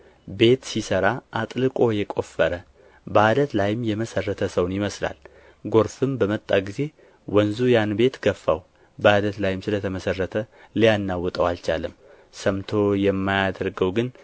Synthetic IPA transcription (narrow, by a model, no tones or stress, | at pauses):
be̞t̪sisəɾaʔat̪ʼlɨkʼo̞jɛkʼo̞fəɾə | bəad̪ət̪lajɪmjɛməsərːət̪ʰəsəwnjɪməsla̰l | ɡo̞ɾfɨmbəmət̪ʼːaɡize̞ | wənzujanbe̞t̪ɡəfːa̰w | bəad̪ət̪lajɪmsɨlət̪ʰəməsərːət̪ʰə | lijanːawɔt̪ʼəwalt͡ʃa̰lɨm | səmt̪ʰo̞jɛmːajad̪əɾɡəwɡɨn